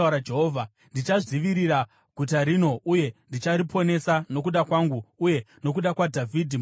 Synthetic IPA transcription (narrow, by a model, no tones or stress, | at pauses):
auɾad͡ʒe̞ɦoːvʱa | ndit͡ʃaʐiʋiɾiɾa | ɡ̥ʱutaɾino̞ʔuje̞ndit͡ʃaɾipʰo̞ne̞sano̞k̬uɗakwaŋɡuuje̞no̞kuɗakwadʱavʱidʱim